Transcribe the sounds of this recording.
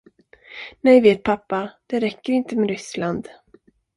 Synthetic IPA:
nɛjveːt̪̚pʰapːad̪̥ɛɾɛkːəɾɪnt̪əmɛɾʏsland̪

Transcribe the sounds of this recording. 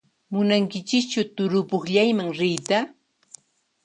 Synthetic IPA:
mʊnaŋkɪt͡ʃɪk̚t͡ʃawt̪ʊɾʊpoχʎajmaŋɾɪjt̪a

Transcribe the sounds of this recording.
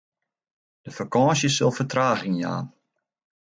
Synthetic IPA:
d̥əfəkɔːsjəsɵlˠfətraːɣɪŋja̰ːn

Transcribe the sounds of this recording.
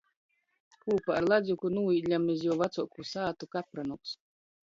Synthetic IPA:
kuːpaːɾlˠad̪zʲjukunuːiːd̪ʲlʲamizjuɔvat̪suɔkusaːt̪ukapɾanuks

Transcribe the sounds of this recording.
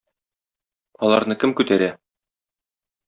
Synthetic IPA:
ɒlˠɑɾnɤkɘmkʉt̪æɾæ

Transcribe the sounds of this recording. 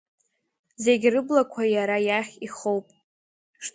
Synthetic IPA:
ze̞ɡʲrɨblakʷʰajaɾajaχʲiχowpʼ | ʂ

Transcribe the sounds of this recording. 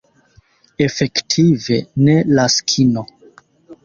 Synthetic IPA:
e̞fe̞ktʰive̞ne̞laskʰino

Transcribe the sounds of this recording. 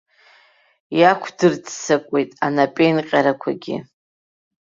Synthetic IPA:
jakʷʰdɨrd͡zsakʷʼe̞jtʼanapʼejnqʲʼaɾakʷʰaɡʲḭ

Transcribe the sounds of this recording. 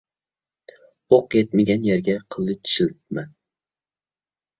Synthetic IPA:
oqjet̪mɪɡʲanjaɾɡʲaqʰɨlˠːɨt͡ʃʰʃɪlt̪̚ma

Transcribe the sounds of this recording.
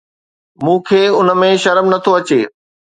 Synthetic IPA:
mũːkʰeːʊnəmẽʃɐɾmnɐt̪ʰoɐt͡ɕeː

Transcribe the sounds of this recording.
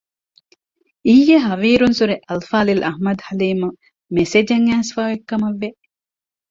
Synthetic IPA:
iːjːeɦɐʋiːɾunsuɾeʔɐlfaːlilʔɐhmɐd̪hɐliːmu | mesed͡ʒɐŋːæːsfaːʋekːɐmɐʋːe

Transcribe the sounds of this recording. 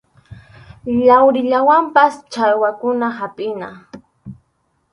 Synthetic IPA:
ʎawɾɪʎawampast͡ʃajwakʊnahapʼɪna

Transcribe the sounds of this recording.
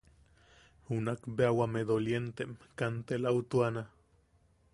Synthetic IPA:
hunakbeawameðoljent̪emkant̪elaut̪uana

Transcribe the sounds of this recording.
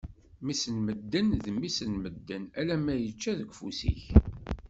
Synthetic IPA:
misənməd̪ːənðəmːisənməd̪ːənælæmæjət͡ʃːæðəɡʷfṵsḭç

